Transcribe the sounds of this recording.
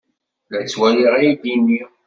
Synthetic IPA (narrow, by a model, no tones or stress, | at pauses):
læt͡sːwæliʁæjid̪inːi